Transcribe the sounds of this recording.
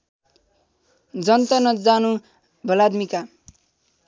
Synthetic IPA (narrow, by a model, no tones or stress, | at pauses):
d͡zʌnt̪ʌnʌd͡zanũ | bʱʌlad̪mika